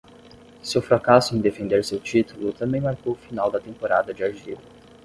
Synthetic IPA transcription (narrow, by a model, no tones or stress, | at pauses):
sewfɾakasʊẽd̪efẽnd̪eɾsewt͡ʃit̪ulʊt̪ɐ̃mbẽj̃maɾkowʊfinawd̪ɐt̪ẽmpoɾad̪ɐd͡ʒɪaʒḭlʊ